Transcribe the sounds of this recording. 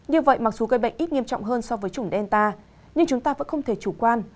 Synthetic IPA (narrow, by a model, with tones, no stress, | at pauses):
ɲɨ˧və̰˧˨jma˨˩k̚su˨˦kə˧jɓə̰˧˨jŋ̟ʔi˦˥t̚ŋi˧əmt͡ɕɔ̰˧˨wŋ͡mɦəː˧nsɔ˧vəː˨˦jt͡ɕʊ˧˩ŋ͡mɗɛ˧nt̪aː˧ | ɲɨ˧ŋt͡ɕʊ˨˦ŋ͡mt̪aː˧və̰˧˥nxə˧wŋ͡mt̪ʰe˧˩t͡ɕu˧˩kwaː˧n